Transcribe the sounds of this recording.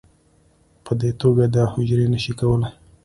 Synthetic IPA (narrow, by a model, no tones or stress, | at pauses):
pəd̪et̪oɡad̪ɑhʊd͡ʒɾenəʃikawəlaj